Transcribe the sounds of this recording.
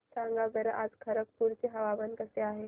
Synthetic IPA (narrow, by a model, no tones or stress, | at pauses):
sãŋɡaɡəɾʔad͡zkʰɐɾəkpuɾt͡seɦɐʋaʋənkəseaːɦe